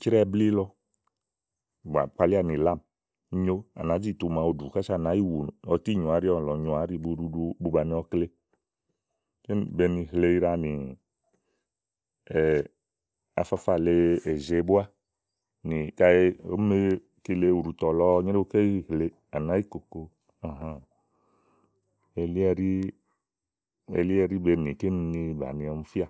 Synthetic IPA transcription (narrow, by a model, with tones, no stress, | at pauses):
t͡ʃɾɛ˦bli˦lɔ˦ | ba̰˨k͡pa˧li˦a˦˨ni˨la˦˨m˦ | ɲo˦a̰˨na˨˦d͡ʒi˦˨t̪u˨mã˨o˨du˨ka˦ʃa˦˨na˨˦ji˦wu˨n˨ɔ˨˧t̪i˦˨ɲɔ˨a˨˦ɾi˦ɔ˨lɔ˨ɲɔ˨a˨˦ɾi˦bu˧u˦u˦bu˧ba˨ni˨ɔ˧kle˦ | t͡ʃe˦˨be˨ni˨ɦle˦i˦ɾa˦˨ni˨ | a̰˨fa˦fa˨le˦e˨ze˨˦bu˦a˦ | nĩ˨ka˦e˦o˦me˦ | ke˨le˦u˨ɾu˨t̪ɔ˨lɔ˦ɲe˦e˦o˦ke˦i˦ɦle˨˦ | a˨nã˦ji˦ko˨ko˧ | ã˨ɦã˦ | e˨li˦ɛ˦ɾi˦ | ḛ˨li˦e˦ɾi˦be˧nĩ˨ke˦ni˨nĩ˧ba̰˨nĩ˧ɔ˨m˦fi˦a˦˨